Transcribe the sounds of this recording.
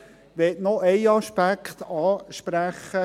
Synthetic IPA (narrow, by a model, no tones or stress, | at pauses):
ʋɛtnɔɛɪɑʃpækχt̪ɑːʃpɾæχə